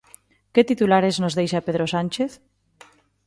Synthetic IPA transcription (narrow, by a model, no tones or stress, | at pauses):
ket̪it̪ulaɾeznozðejʃapeðɾosant͡ʃeθ